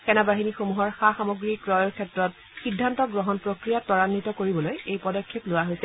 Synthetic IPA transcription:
xɛnabaɦinixomuɦɔɹxaxamoɡɹikɹɔjɔɹkʰɛtɹɔt̚ | xidʱːantɔɡɹɔɦɔnpɹokɹijatɔɹanːitɔkoɹibɔlojejpɔdɔkʰːeplʊaɦojsɛ

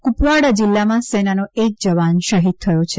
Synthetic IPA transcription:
kupʋaɽad͡ʒilːamãsenanoek̚d͡ʒəʋanʃəɦid̪̚t̪ʰəjot͡ʃʰe

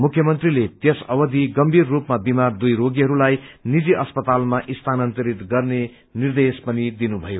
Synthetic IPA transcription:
mukʰjʌmʌnt̪rilet̪esʌbʌd̪iɡʌmbʱirːupmabimard̪ujɾoɡiɦʌɾulajnid͡ziʔʌspʌt̪almaʔist̪ʰanʌnt̪ʌɾit̪ɡʌrne | nird̪espʌnid̪inubʱʌjo

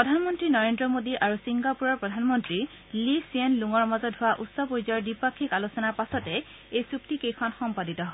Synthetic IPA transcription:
pɹɔdʱanmɔntɹinɔɹendɹɔmodiʔaɹusiŋɡapuɹɔɹpɹɔdʱanmɔntɹi | lisienluŋɔɹmazɔtɦʊwaʔutsɔpoɹzɔɹdipakʰːikalusɔnaɹpasɔtɛ | ejsuktikejkʰɔnxɔmpaditɔɦɔ

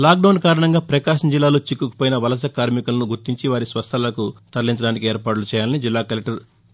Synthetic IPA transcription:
laːk̚ɖɐwnkaːɾɐɳɐŋɡaːpɾɐkaːʃɐmd͡ʒilːaːluːt͡ʃikːukɐ̥poːjinɐʋɐlɐs̬ɐkaːɾmikɐlɐnuɡuɾt̪iɲt͡ʃiʋaːɾisʋɐst̪ʰɐlɐkut̪ɐɾlːiɲt͡ʃɐɽaːnikieːɾpaːʈulut͡ʃɛːjaːlɐnid͡ʒilːaːkɐlɐk̚ʈɐɾ

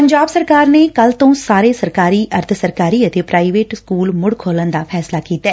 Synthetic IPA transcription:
pəɲd͡ʒaːbsəɾkaːɾneːkəlt̪õːsaːɾeːsəɾkaːɾiːʔəɾt̪ʰsəɾkaːɾiːət̪eːpɾaːiʋeːʈskuːlmʊɽkʰoːlənd̪aːpʰɛːslaːkiːt̪aɛː

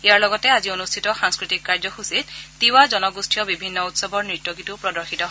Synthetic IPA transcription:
iaɹlɔɡɔtɛazionustʰitɔxaŋskɹitikːaɹd͡ʒɔxusittiwad͡ʒɔnɔɡustʰijɔbibʱinːɔutsɔbɔɹnɹitːoɡitupɹɔdɔɹxitɔɦ

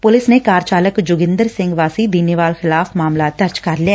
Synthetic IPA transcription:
pʊlɪsnekaːɾt͡ʃaːləkd͡ʒʊɡɪ̃nd̪əɾsɪ̃ŋɡʋaːsid̪iːneʋaːlxɪlaːfmaːmlaːt̪əɾd͡ʒkɐɾliɛː

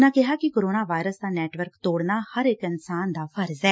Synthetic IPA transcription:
nãːkɪɦaːkɪkoːɾoːnaːʋaːɪɾəsd̪aːnɛːʈʋəɾkt̪oːɽnaːhəɾɪkɪnsaːnd̪aːfʰəɾzɛː

